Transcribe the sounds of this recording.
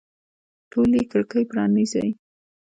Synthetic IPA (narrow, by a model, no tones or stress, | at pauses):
ʈolikəɽkəjpɾɑniza̰j